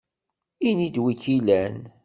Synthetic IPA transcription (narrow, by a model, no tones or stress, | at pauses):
inid̪wikilæn